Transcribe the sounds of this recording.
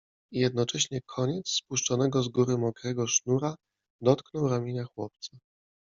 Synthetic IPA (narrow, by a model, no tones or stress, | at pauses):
ijɛd̪nɔt͡ʂɛɕɲɛkʰɔɲɛt̪sspuʂt͡ʂɔnɛɡɔzɡuɾɘmɔkɾɛɡɔʂnuɾa | d̪ɔt̪knɔwɾamʲjiɲaxwɔp̚t̪sa